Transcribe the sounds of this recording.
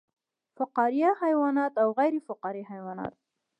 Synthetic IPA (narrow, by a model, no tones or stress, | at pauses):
fʊqɑɾɪjahajwɑnɑt̪awɣajɾefʊqɑɾihajwɑnɑ̰t̪̚